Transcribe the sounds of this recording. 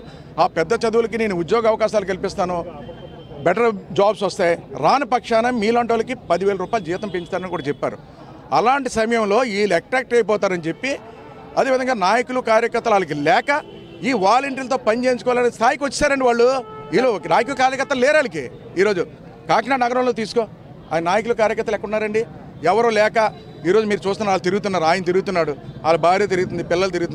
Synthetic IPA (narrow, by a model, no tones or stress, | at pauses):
aːpɛd̪ːɐt͡ʃɐd̪uwulɐk̬ine̞ːnuud̪jɔːɡɐʋɐkaːʃaːlukɐlipist̪aːnu | bɛʈɐɾd͡ʒaːbsɐst̪aːjɾaːnɐpɐkʂaːnɐmmːiːlɐɳʈoːlɐkipɐd̪iʋeːɭɐɾuːpaːjlud͡ʒiːʋɐt̪ɐmpeɲt͡ʃi̥t̪aːɾɐnikuːɽaːt͡ʃɛpːa̰ːɾṵ | ɐlaːɳʈisɐmɐjɐmlo̞ːiːlɛk̚ʈɾaːk̚ʈɐjpɔːt̪aːɾɐnit͡ʃe̞pːi | ɐd̪eːʋid̪ʱɐŋɡaːnaːjɐkulukaːɾjɐkɐɾt̪ːɐlaːlɐk̬ilɛːkɐ | iːʋaːlɐɳʈɐɾlɐt̪o̞ːpɐnt͡ʃe̞ːnt͡ʃukɔːʋalɐnɐist̪ʰaːjikiʋɐt͡ʃːsaːɾɐɳɖiʋaːɭːuiːloknaːjɐk̬ulukaːɾjɐkɐɾt̪ːɐllɛːɾaːlik̬eː | iːɾo̞ːd͡ʒu | kaːknaːɖnɐɡɐɾɐ̃wlo̞ːt̪iːsu̥ko | a̰ːjnnaːjɐk̬ulukaːɾjɐkɐɾt̪ɐlɛkːɐunːaːɾɐɳɖi | ɛʋɐɾoːlɛːkɐ | iːɾoːd͡ʒumiːɾut͡ʃuːst̪unɐaːlɐt̪eɾɡut̪̬unːaːɾuaːjɐnɐt̪eɾuɡut̪unːaːɽuaːlubaːɾiet̪̬eɾuɡut̪und̪ipɪlːɐlt̪̬eɾuɡut̪un